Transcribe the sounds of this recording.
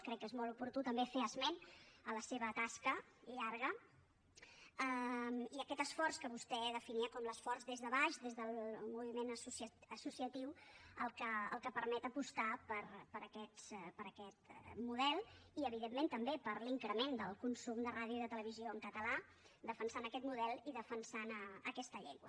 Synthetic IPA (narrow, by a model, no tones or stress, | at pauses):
kɾɛkːezmɔlˠupuɾt̪ut̪əmbefeəzmɛnələseβət̪askə | ʎaɾɣ̞ə | əmiəkɛt̪əsfɔrskəβust̪ɛðəfiniəkɔmləsfɔrzðezðəβaʃdezðəlˠmuβimenəsusəsusiət̪iwəlˠkəəlˠkəpəɾmɛt̪əpust̪apəɾpəɾəkɛt̪pəɾəkɛt̪muðɛlˠiəβ̞iðemːent̪əmbepəɾliŋkɾəmend̪əlˠkunsumd̪əraðjuðət̪ələβ̞izioəŋkət̪əla | d̪əfənsanəkɛt̪muðɛlˠiðəfənsanəəkɛst̪əʎḛŋɡwə̰